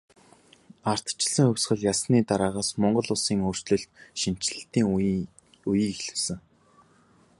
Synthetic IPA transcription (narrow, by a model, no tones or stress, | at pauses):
ar̥t̪t͡ɕɪ̆ɮsə̆ŋxɵwʲsɢə̆ɮjasniːt̪aɾaːʁaːsmɔɴɢɞ̆ɮʊsiːŋoːr̥t͡ɕɮɘ̆ɬt̪̚ʃin̥t͡ɕɮə̆ɬt̪iːŋ | ujiːkxɮɘ̆wsɘ̆ŋ